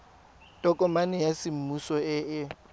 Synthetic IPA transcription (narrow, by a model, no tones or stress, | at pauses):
tʼɔkʼɔmanɪjasɪm̩musɔɪɪ